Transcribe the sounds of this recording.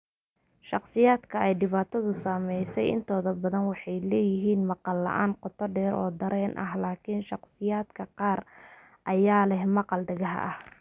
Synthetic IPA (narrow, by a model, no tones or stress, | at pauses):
ʃɑqsɪjaːd̪kʰɐɛjdɖɪβaːt̪ʰɐðʊsaːmɛjsɛjɪ̰nt̪ʰɔːðɐbɐðɐnwɑħɑjlɛːjɪɦiːnmɑqɑlːɐ̰ʔaːnqɔt̪ʰɔɖɛːɾɔ̰ːd̪ɐɾɛːnʔɐ̰ɦlaːkʰinʃɑqsɪjaːd̪kʰɐqɑːr | ʔɐjaːlɛhmɑqɑlɖɐɣɐɦɐ̰ʔɐh